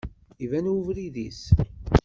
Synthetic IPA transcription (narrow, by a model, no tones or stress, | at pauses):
ivænuvɾiðis